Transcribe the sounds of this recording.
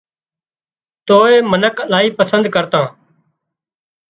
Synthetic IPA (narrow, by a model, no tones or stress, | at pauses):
t̪oːeːmənəklaːiːpəsə̃nd̪kəɾt̪ãː